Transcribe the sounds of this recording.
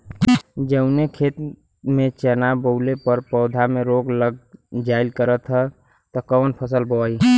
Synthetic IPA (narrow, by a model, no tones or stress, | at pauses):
d͡ʒəʊnekʰet̪ | mẽt͡ʃənaboʊlepəɾpɔːd̪ʱamẽɾoɡləɡ̚d͡ʒaɪlkəɾət̪ɦɛ | t̪ɔkəənpʰəs̬əlbɔi